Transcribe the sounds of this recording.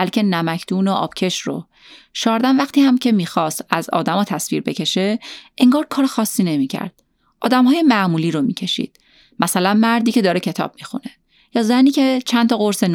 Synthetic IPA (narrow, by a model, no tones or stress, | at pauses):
ælcʰʲe̞næmæcʰt̪uːnoʔɒ̰ːb̥cʰe̞ʃɾo̰ | ʃɒːɾd̪ænvæxt̪iːhæmcʰe̞miːxɒːst̪æzɒ̰ːd̪æmɒːt̪ʰæsvḭːɾbe̞cʰe̞ʃe̞eŋɡɒːɾkʰɒːɾexɒːsːiːne̞miːcʰæ̰ɾd̪̥̚ | ʔɒːd̪æmhɒːje̞mæʔmuːliːɾomḭːcʰe̞ʃḭd̪̥ | mæsælænmæɾd̪iːcʰe̞d̪ɒːɾecʰe̞t̪ʰɒ̰ːb̥̚mixṵne̞ | jɒːzæniːce̞t͡ʃʰænt̪ʰɒːɣo̞ɾsen